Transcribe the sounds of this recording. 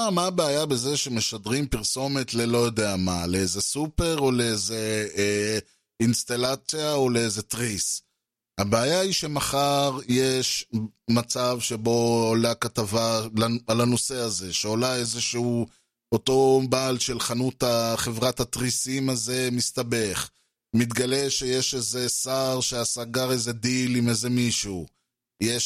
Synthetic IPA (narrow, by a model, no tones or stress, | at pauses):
amaːbeajabe̞ze̞ʃe̞me̞ʃadʁimpiʁso̞metle̞lo̞jo̞deamaleeze̞supe̞ʁo̞le̞eze̞ | inst̪alat͡sjao̞le̞ezet̪ʁis | habeajaiʃe̞maχaʁjeʃmat͡savʃe̞bo̞olakatavalaalano̞se̞aze̞ʃeolaezeʃu | oto̞baːlʃe̞lχanut̪aχe̞vʁathat̪ʁisimaze̞mistabe̞χ | mit̪ɡale̞ʃeje̞ʃeze̞saʁʃeasaɡaʁeze̞d̪ilimeze̞miʃu | je